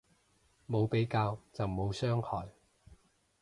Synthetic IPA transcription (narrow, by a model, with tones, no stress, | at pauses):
mo˨˧wpe˨˥jkaː˧wt͡sɐ˨wmo˨˧wsœː˥ŋhɔː˨˩j